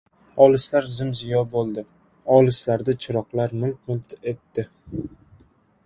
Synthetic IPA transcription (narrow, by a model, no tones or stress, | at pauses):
ɒlɪslaɾzɪmzɪjɒbolˠd̪ɪ | ɒlɪslaɾd̪at͡ʃʰɪɾɒqlaɾmʊlt̪̚mʊlˠt̪e̞t̪ːɪ